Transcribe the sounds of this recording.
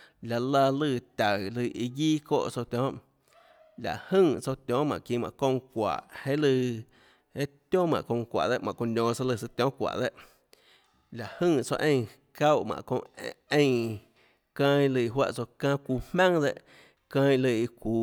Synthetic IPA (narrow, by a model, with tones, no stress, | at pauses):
la˨la˧lɨ˧˨t̪ʲa˨lɨ˧˨ʔi˧ɡiː˦ko̰ː˦˨ʔt͡so˧t̪ʲɔ̃ː˦ | la̰˨ʔhɨ̃˦˧˨ŋt͡so˧t̪ʲjɔ̃˨˦mã̰˨ʔkĩ˧˨mã̰˨kõ˧ŋkʷa̰˨ʔhe˦lɨ˧ | e˦t̪jõ˦mã̰˨ʔkõ˧ŋ˧kʷa̰˨d̪e˦ʔmã̰˨ko˧nʲõː˧sa˧lɨ˧sɨ˧t̪jɔ̃˦kʷa̰˨ʔd̪e˦ʔ | la˨ʔhɨ̃˦˧˨t͡so̰˧ʔẽ˧j̃ | ka˦wʔmã̰˨ʔkõ˧ẽ˧j | kã˧j̃lɨ˧˨˧ɦwa̰˦ʔt͡so˧kãː˧kʷuː˧mmã˦ŋd̪e˧ʔ | kã˧j̃lɨ˧i˧kʷuː˧